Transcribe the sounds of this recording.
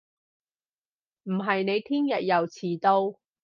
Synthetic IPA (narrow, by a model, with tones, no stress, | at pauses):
m̩˨˩ɦɐ˨jne˨˧jt̪ʰiː˥njɐ˨t̚jɐ˨wt͡sʰiː˨˩t̪o˧w